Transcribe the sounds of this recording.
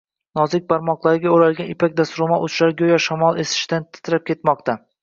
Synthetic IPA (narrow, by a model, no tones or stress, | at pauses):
nɒzɪk̚ʲpʰaɾmɒqlˠaɾɪɡʲaoɾalɡʲanɪpʰak̚ʲd̪asɾʊmaʔʊt͡ʃlaɾɡʲojɒʃamɒlˠe̞sɪ̥ʃt̪ant̪ʰɪ̥t̪ʰɾap̚kʲʰe̞t̪mɒq̚t̪ʰa